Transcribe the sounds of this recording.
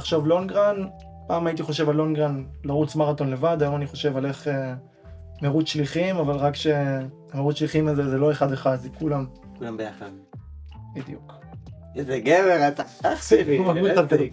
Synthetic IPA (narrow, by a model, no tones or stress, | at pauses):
χʃovlo̞nɡʁan | paːmajit̪iχo̞ʃe̞valːo̞nɡʁanlaʁut͡smaʁat̪o̞nle̞vad̪ajo̞maniχo̞ʃe̞vale̞χe | meʁut͡sʃliχimavalʁakʃe̞ | ameʁut͡sʃliχimazezelo̞e̞χad̪eχad̪zekulam | kulambejaχad̪ | bid̪juk | ebeɡeveʁat̪aaχsiviauakali